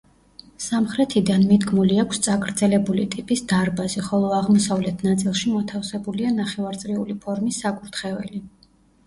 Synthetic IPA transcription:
samχɾɛt̪ʰid̪anmid̪ɡmuliakʷʰst̪sʼakʼɾd̪zɛlɛbulit̪ʼipʼisd̪aɾbaziχɔlˠɔaʁmɔsavlɛt̪ʰnat̪sʼilˠʃimɔt̪ʰafsɛbulianaχɛvaɾt̪sʼɾiulipʰɔɾmisːakʼuɾt̪ʰχɛvɛ̰li

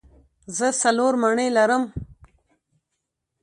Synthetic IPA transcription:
zəsaloɾmaɳəjlaɾəm

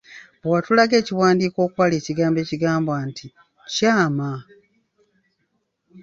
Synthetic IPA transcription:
bwatulaɡe̞ːciwaːndiːko̞ːkwale̞ːciɡaːmbe̞ːciɡaːmbwaːntʰi | caːma

